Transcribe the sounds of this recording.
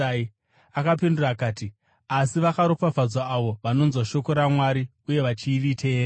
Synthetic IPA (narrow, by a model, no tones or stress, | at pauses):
i | akapinduraːkaːti | asiʋakaɾopab͡vʱad͡zwaːʋo̞ʋano̞nzwaʃo̞ko̞ɾamwaɾi | uje̞ʋat͡ʃiːritʰeːɾa